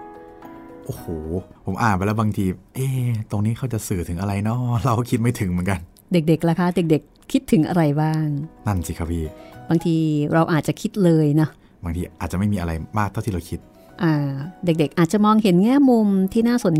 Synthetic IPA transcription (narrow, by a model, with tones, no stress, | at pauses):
ʔoː˧˩hoː˨˩pʰo˨˩˦mʔaː˨˩npa˧lɛ˦˥wbaː˧ŋt̪ʰiː˧ʔeː˧˩t̪o˧ŋniː˦˥kʰa˥˩wt͡ɕa˨˩sɯː˨˩t̪ʰɯ˩˦ŋʔa˧ɾa˧jnɔ˦˥ɾa˧wkʰi˦˥t̪̚ma˥˩jt̪ʰɯ˩˦ŋmɯ˩˦nka˧n | de˨˩k̚de˨˩k̚la˧˦˩kʰa˦˥de˨˩k̚de˨˩kʰːi˦˥t̪ʰːɯ˩˦ŋʔa̰˧ɾa˧jbaː˥˩ŋna˥˩nsiː˧˩kʰa˦˥pʰiː˥˩baː˧ŋt̪ʰiː˧ɾa˧wʔaː˨˩t̪̚t͡ɕa˨˩kʰi˦˥t̪̚lɤː˧jnɔ˦˥ | baː˧ŋt̪ʰiː˧ʔa˨˩t͡ɕa˨˩ma˥˩jmiː˧ʔa˧ɾa˧jmaː˥˩k̪̚ʰa˥˩t̪ʰiː˥˩a˧wkʰi˦˥t̪̚ | ʔaː˧˩de˨˩k̚de˨˩k̚ʔaː˨˩t̪̚t͡ɕa˨˩mɔː˧ŋhe˨˩˦nŋɛː˥˩mːu˧mt̪ʰiː˥˩naː˥˩so˨˩˦n